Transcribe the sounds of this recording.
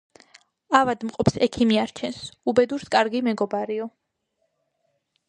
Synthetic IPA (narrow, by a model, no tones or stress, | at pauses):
avad̪mqʼɔpsɛkʰimiaɾt͡ʃʰɛnsubɛd̪uɾskʼaɾɡimɛɡɔbaɾiɔ